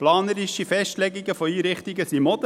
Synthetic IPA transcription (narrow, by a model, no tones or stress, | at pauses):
plɑːnəɾɪʃifɛʃtlɛɡiɡəfɔiːɾɪχt̪iɡəsimɔd̪ə